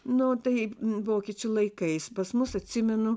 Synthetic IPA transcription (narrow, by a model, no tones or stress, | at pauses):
nʊt̪ɐɪʋoːkʲiɛt͡ʃʲʊlˠɐɪkɐɪspɐsmʊsɐt̪ʲsʲɪmʲɛnʊ